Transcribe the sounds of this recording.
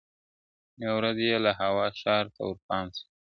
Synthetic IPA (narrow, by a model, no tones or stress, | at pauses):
nawɾazjelaɦawɑʃɑɾt̪a̰wəɾpɑnsi̥